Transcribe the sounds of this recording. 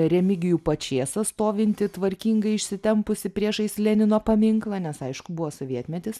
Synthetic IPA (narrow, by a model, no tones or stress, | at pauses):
ɾʲɛmʲɪɡʲɪjuːpɐt͡ʃʲeːsɐst̪oːʋʲɪnʲt̪ʲɪt̪ʋɐɾʲkʲiːŋɡɐɪɪʃʲsʲɪt̪ʲɛmpʊsʲɪpʲɾʲiɛʃɐɪslʲɛnʲɪnoːpɐmʲɪŋklˠɐnʲɛsɐɪʃkʊbʊʋoːsoːʋʲiɛt̪ʲmʲɛt̪ʲɪs